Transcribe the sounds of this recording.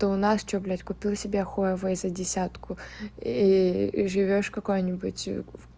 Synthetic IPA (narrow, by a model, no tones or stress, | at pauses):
t̪oʊnast͡ɕoblʲætʲkʊpʲilˠsʲɪbʲexoəvəzədʲɪsʲat̪kʊiʐɨvʲoʂkɐko̞jnʲɪbʊtʲ